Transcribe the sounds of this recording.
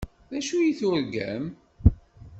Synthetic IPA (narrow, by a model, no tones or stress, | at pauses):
ðæʃujiθʊɾɡæ̰m